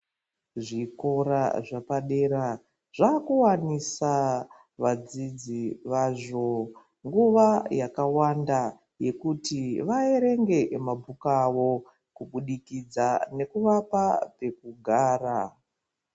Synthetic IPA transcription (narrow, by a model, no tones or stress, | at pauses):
ʐiko̞ɾaʐapaɗe̞ɾa | ʐ̥akuwanisa | ʋad͡zid͡ziʋaʐo̞ | ŋɡuʋajakawanda | je̞kutiʋae̞ɾe̞ŋɡe̞mabʱukawo̞ | kuɓuɗikid͡zane̞kuʋapape̞kuɡʱaːra